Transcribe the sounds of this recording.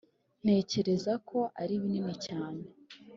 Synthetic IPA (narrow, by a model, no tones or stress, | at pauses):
n̥e̞ːce̞ɾe̞zakʰo̞ʔaɾiβininicaːne